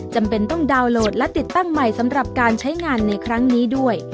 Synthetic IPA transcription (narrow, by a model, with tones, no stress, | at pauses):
t͡ɕa˧mpe˧nt̪ɔ˥˩ŋdaː˧wloː˨˩t̪̚lɛ˦˥t̪i˨˩t̪ːa˥˩ŋma˨˩jsa˩˦mɾa˨˩p̚kaː˧nt͡ɕʰa˦˥jŋaː˧nːa˧jkʰɾa˦˥ŋniː˦˥du˥˩əj